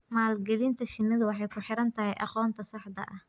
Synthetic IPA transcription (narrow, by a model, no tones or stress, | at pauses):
maːlɡɛlint̪ʰɐʃɪnːɐðɐwɑħɑjkʰʊħɪɾɐnt̪ʰɐɦɛjʔɑ̰qɔːnt̪ʰɐsɑħd̪ɐ̰ʔɐh